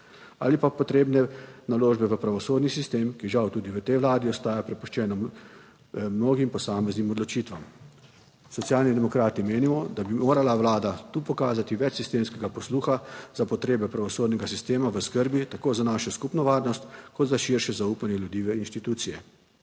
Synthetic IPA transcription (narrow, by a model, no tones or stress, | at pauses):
a̰ːlipapɔt̪ɾeːbnɛnaloːʒbɛʋəpɾaʋɔsoːd̪nisist̪eːmkiʒawt̪uːd̪iʋət̪ɛjʋlaːd̪iɔst̪aːjapɾɛpuʃt͡ʃɛːnam | mnoːɡimpɔsaːmɛznimɔd̪lɔt͡ʃiːt̪ʋam | sɔt̪sijaːlnid̪ɛmɔkɾaːt̪imeːnimɔd̪abimoːɾalaʋlaːd̪at̪uːpɔkaːzat̪iʋɛt͡ʃsist̪eːmskɛɡapɔsluːxazapɔt̪ɾeːbɛpɾaʋɔsoːd̪nɛɡasist̪eːmaʋəskəɾbit̪akoːzanaːʃɔskupnɔʋaːɾnɔst̪kɔd̪zaʃiɾʃɛzauːpanjɛlʲjud̪iːʋɛinʃt̪it̪uːsijɛ